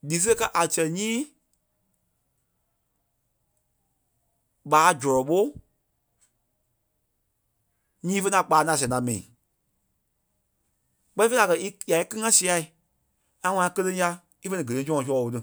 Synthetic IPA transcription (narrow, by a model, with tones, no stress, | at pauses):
liː˨s̬ɨ˦˧ka˦ʔa˨sɛ˨ɲĩː˦ | ɓaː˨˦d͡ʒɔ˨ɾɔ˨ɓo˦ | ɲĩː˦fə˧˦˧ã˧k͡paː˨˦nã˧˨s̬ɛ̃˨˧ã˨mɛ̃˨ḭ̃˨ | k͡pɛ˦ĩ˦fe˦a˨kɜ˧˨i˦ja˨i˦kɨ˦ŋã˦si˧a˧˨i˨ | ã˧˦ŋã˧ã˧kə˧lə˧˦ja˧ | i˦fə˧nĩ˧˨ɡə˨ẽ˨˦sɔ̃˦˧ɔ̃˧˨s̬ɔː˦˨wo˧tɨ˧